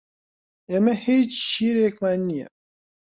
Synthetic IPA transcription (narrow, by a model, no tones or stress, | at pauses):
emɛhiːt͡ʃʃiːɾekmannːijɛ̰